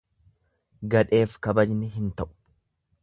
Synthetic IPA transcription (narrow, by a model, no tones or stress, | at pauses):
ɡɐᶑe̞ːfkɐbɐd͡ʒnɪɦɪnt̪ɐʔʊ̥